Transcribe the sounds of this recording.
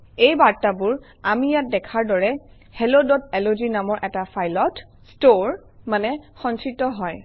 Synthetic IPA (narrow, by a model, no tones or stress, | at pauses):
ejbaɹtabʊɹ | amijat̚dɛkʰaɹdɔɹɛ | helodɔtɛlozinamɔɹʔɛtafʰajlɔt | stoɹ | manɛxɔnsɹitːɔɦɔj